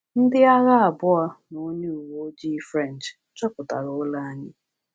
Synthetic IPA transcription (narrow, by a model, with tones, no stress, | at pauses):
n̩˦dɪ˦a˦ɣa˦a˨bʊ˦ɔ˦no˦ɲu˦u˨wo˦d͡ʒi˦fɾɛ˦˨n̩˨t͡ʃ | t͡ʃɔ˦pʊ˨ta̰˨ɾʊ˨ʊ˦la˦a˦ɲɪ˦